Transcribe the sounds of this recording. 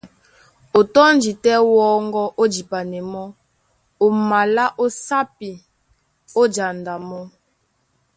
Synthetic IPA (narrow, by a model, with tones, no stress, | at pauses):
o˨tɔ˦nd͡ʒi˨tɛ˦wɔ˦ŋɡɔ˦ʔo˦d͡ʒi˨pa˨nɛ˨mɔ˦ | o˨ma˨la˦ʔo˦sa˦pi˨ | o˦d͡ʒa˨nda˨mɔ˦